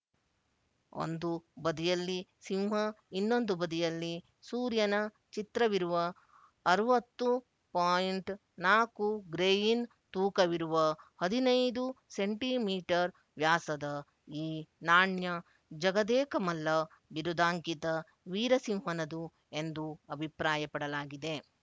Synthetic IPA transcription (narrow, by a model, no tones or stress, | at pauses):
o̰nd̪ubɐd̪ijɐlːisiwɦɐinːo̞nd̪ubɐd̪ijɐlːi | suːɾjɐnɐ | t͡ʃit̪ɾɐʋiɾuʋɐː | ɾuʋɐt̪ːu | paːjiɳʈ | naːkuɡɾeːjin | t̪uːkɐʋiɾuʋɐhɐd̪inɐjd̪useɳʈimiːʈɐɾ | ʋjaːsɐd̪ɐ | iːnaːɳjɐ | d͡ʒɐɡɐd̪ɛːkɐmɐlːɐ | ʋiɾud̪aːŋkit̪ɐ | ʋiːɾɐsiwɦɐnɐd̪u | e̞nd̪uɐbʱipɾaːjɐpɐɽɐlaːɡid̪e̞